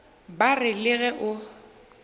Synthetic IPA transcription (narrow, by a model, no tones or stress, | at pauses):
barɪlɪɣɛʔʊ